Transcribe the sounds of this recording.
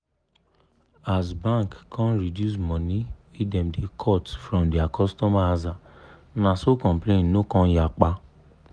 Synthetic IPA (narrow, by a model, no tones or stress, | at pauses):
asbãŋkkʰãnɾidjus̬mɔ̃nĩidɛ̃mdekʰɔtfɾɔ̃mdiakʰɔstɔmaaza | nãsokɔ̃mplẽnnokɔ̃jak͡pa